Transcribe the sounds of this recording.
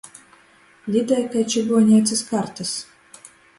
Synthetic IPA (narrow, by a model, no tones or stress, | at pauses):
lʲid̪ɛjkajt͡ʃʲiɡuɔnʲiɛt̪sʲɨskaɾt̪as